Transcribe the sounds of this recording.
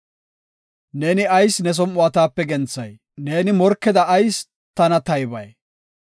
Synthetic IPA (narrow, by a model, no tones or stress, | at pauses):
ne̞ːnɪɐjsnɛs̬ɔmʊɐt̪aːpːɛɡɛnt͡sːɐ̰j | ne̞ːnɪmɔɾkːɛd̪ɐʔːjs | t̪ɐnɐt̪ɐjbɐ̰j